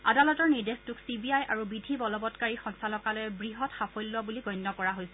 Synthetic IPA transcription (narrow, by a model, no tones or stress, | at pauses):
adalɔtɔɹniɹdestuksibiajʔaɹubidʱibɔlɔbɔtkaɹixɔnsalɔkalɔjɛbɹiɦɔtxapojlːɔbuliɡɔjnːɔkɔɹaɦojsɛ